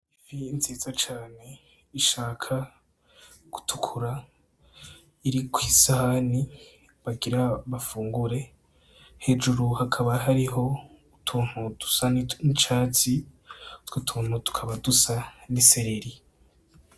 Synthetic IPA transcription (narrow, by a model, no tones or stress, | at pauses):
ivinzeːzat͡ʃaːne̞ | iʃaːkʰa | ɡ̥u̥tʰu̥kʰuɾa | iɾikʰwiːsahani | βaɡiɾaβafuːŋɡuɾe̞ | he̞d͡ʒuɾuhakʰaβaɦaɾiɦo̞ | utʰuːn̥hudu̥sannit͡ʃaːt͡siutwutʰuːn̥hutu̥kʰaβadusaniseɾiɾi